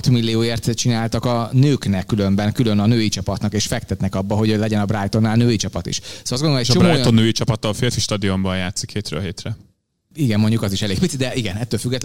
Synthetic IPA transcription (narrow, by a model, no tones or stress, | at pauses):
t̪milːijoːeːrt̪t͡ʃinaːlt̪ɒkɒnøːknɛkːylø̞mbɛŋkylø̞nɒnøːit͡ʃɒpɒt̪nɒkeːʃfɛkt̪ɛt̪nɛkɒbːɒɦo̞ɟlɛɟɛnɒbraːjt̪o̞nːaːlnøːit͡ʃɒpɒt̪ḭʃsoɒzɡooloojt͡ʃobɾmaoːjt̪onːøːit͡ʃɒpɒt̪ːɒfeːɾfiʃt̪ɒd̪io̞mbɒnjaːt̪sikheːt̪ɾø̰ːlɦeːt̪rɛ | iɡɛmmo̞ɲɟukɒziʃɛleːɡ̚pitsid̪d̪ɛʔiɡɛnɛt̪ːøːlfyɡːɛt̪